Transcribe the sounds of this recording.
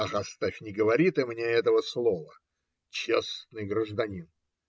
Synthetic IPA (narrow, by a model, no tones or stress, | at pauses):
ɐxɐst̪afʲnʲɪɡəvɐɾʲit̪ɐmnʲeɛt̪əvəslˠovə | t͡ɕesnɨjɡɾəʐd̪ɐnʲin